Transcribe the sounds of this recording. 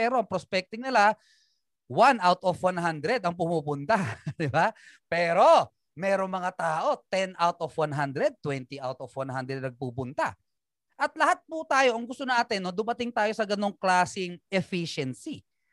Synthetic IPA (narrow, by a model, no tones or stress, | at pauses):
ɛːɾo̞ʔɐŋpɾospɛk̚t̪ɪŋnɪla | wanawt̪ofwanɦand̪ɾɛd̪ɐŋpʊmuːpʊnt̪ad̪ɪba | pɛːɾo̞ | mɛːɾoŋmɐŋat̪aːʔo̞t̪ɛnʔawt̪ofwanɦand̪ɾɛd̪̚t̪wɛnt̪iʔawt̪ofwanɦand̪ɾɛd̪̚nɐɡ̚pupʊnt̪a̰ | ʔɐt̪̚lɐhat̪̚pʊt̪aːjo̞ʔɐŋɡʊst̪onaːt̪ɪnːod̪ʊmɐt̪ɪŋt̪aːjo̞sɐɡɐno̞ŋklaːsɪŋʔɛfiʃɛnsi